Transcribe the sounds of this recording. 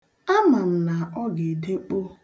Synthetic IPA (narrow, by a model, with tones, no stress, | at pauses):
a˦ma˨m̩˨na˨ɔ˦ɡe˨de˦k͡po˦